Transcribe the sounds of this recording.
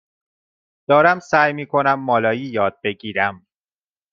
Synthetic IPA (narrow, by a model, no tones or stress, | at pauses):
d̪̥ɒːɾæmsæːjmiːkʰo̞næmːɒːlɒːjiːjɒːd̪̥̚be̞ɟiːɾæm